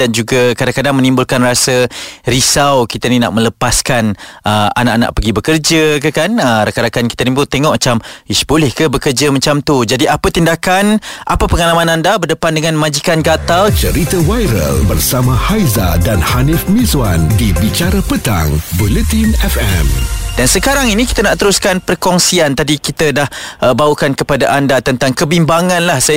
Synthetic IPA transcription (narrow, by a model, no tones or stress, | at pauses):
dand͡ʒuɡakadaŋkadaŋmənĩmbʊlkanrasərisawkit̪ənina̰ʔmə̃ləpaskanʔəa̰naʔana̰ʔ̚pəɡibəkərd͡ʒəkəkanəɾakaɾakanki̥t̪anĩput̪eŋɔʔ̚mət͡ʃamisbolɛhkəbəkərd͡ʒamət͡ʃamt̪ud͡ʒadiʔapət̪indakanʔapapəŋalamãnandabərdəpandəŋanmãd͡ʒikankat̪alt͡ʃəɾit̪awajɾə̰lbərsamãhajza̰danhanifmizwandibit͡ʃaɾapət̪a̰ŋbulɛt̪inɛfɛ̰mdansəkaɾaŋinĩki̥t̪ənaʔt̪əɾuskanpərkɔŋsiant̪adikit̪ədahəbaukankəpadaʔandat̪ənt̪aŋkəbimbaŋãnlahsa